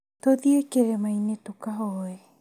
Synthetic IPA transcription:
toðiekeɾemajnetokaɦoe

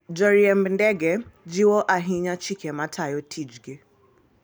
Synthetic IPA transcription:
d͡ʒɔɾiɛmndɛɡɛd͡ʒiwɔʔaɦiɲat͡ʃikʰɛmatʰajɔtʰid͡ʒɡe

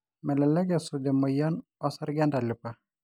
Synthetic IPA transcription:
mɛlɛlɛɡɛsudɛmɔjɔnɔsɛɾɡɛndalɪpa

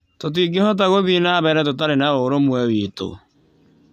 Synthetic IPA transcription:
tot̬iɡehɔt̬aɣoβinaβɛɾɛt̬ot̬aɾenaoɾomwɛwiːto̰

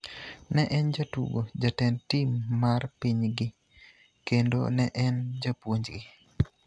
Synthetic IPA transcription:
nɛʔɛnd͡ʒatṵɡod͡ʒatɛntimːarpiɲɡɪ | kendo̰nɛʔɛnd͡ʒapwoɲd͡ʒɡɪ

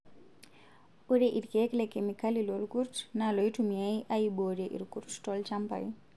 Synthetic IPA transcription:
uɾɛʔiɾkɛklɛkɛmikalilɔlkuɾtnalɔitumiaiʔaibɔɾɛʔḭɾkuɾttɔlt͡ʃampa̰i

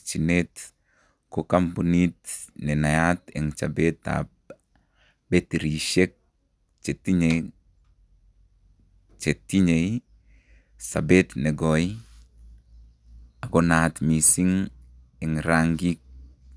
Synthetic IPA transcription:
t͡ʃinet | kokambunitnenajatḛŋt͡ʃa̰beta̰b | betiɾiʃek̚ | t͡ʃetiɲe | t͡ʃetːiɲej | sa̰betneɡɔi | aɡonatmisiŋ | ɛŋɾaŋɡik̚

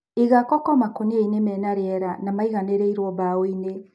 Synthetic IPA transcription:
iɣakɔkɔmakonieinemɛnaɾeɛɾanamaiɣaneɾeiɾoɔbaoine

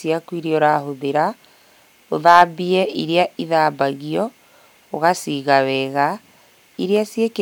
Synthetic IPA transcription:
siakwiɾiɔɾaɦoðeɾa | oðaːbiɛiɾeaʔiðaːbaɣiɔ | oɣasiɣawɛɣa | iɾeasjeke

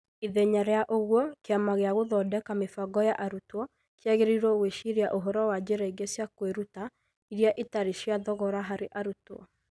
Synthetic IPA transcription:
iðɛɲaɾɛaʔoɣwɔkeamaɣeaɣoðɔdɛkamefaɡɔjaʔaɾutwɔ | kjaɣeɾiɾɔɣweʃiɾeaʔoɦɔɾɔwad͡ʑeɾaiɡesjakweɾuta | iɾjaʔetaɾeʃiaðɔɣɔɾaɦaɾeʔaɾutwɔ̰

